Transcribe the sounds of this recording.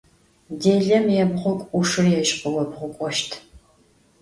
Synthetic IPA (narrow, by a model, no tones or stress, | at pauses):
deːɮɐmjɛbʁʷʊkʷʼuʂɨrjɛɕʼqʼɨwɐbʁʷʊkʷʼɔʃtʰ